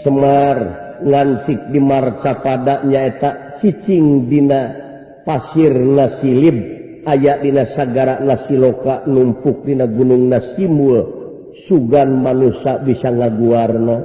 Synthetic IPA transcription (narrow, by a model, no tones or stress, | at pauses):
səmarŋant͡ʃik̚dimart͡ʃapadaʔɲaɛt̪aʔt͡ʃit͡ʃiŋdina | pasirnasilib̚ | ajaʔdinasaɡaɾaʔnasilokaʔnumpuk̚dinaɡunuŋnasimbul | suɡanmanusabisaŋaɡuarna